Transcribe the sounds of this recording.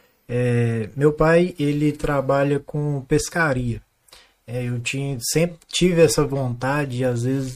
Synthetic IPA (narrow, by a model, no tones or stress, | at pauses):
ɛmewpajelɪt̪ɾabaʎɐkõpeskaɾiɐ | ɛewt͡ʃiɲsẽpɾɪt͡ʃivɪɛsɐvõnt̪ad͡ʒɪɪazvezɪ